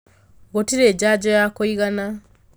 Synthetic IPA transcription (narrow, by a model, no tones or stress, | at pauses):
ɣotiɾeːd͡ʑaːd͡ʒɔjakoiɣana